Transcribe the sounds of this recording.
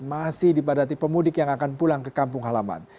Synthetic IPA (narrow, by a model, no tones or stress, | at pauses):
masɪhdipadat̪ipəmudɪkjaŋakanpulaŋkəkampʊŋɦalama̰n